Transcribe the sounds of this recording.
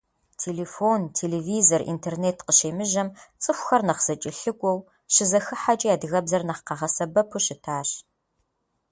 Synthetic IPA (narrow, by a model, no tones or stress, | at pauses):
tʰeːleːfoːntʰeːleːviːzorʔḭntʰerneːtqəʃeːmɨʒɐmt͡sʼɨxʷxɐrnɐχz̥ɐt͡ʃʼɪɬɨɡʷʼɔw | ɕɪzɐxɨħat͡ʃʼijaːdɨɣɐbzɐrnɐχqɑʁɐsɐbɐpʰuɕɪtʰaːɕ